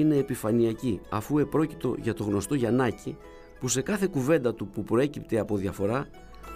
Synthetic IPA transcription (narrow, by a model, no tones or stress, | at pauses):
ine̞ːpifɐniɐciɐfue̞pɾo̞ci̥t̪o̞ʝɐt̪o̞ɣno̞st̪o̞ʝɐnɐci | puse̞kɐθe̞kuve̞nd̪ɐt̪upupɾo̞e̞cipt̪e̞ɐpo̞ðʝɐfo̞ɾɐ